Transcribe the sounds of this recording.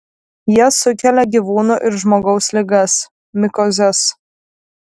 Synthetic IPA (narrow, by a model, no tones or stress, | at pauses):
jiɛsʊkʲɛlʲɛɡʲiʋuːnuʔɪɾʒmoːɡɒʊsʲlʲɪɡɐs | mʲɪkɔzʲɛs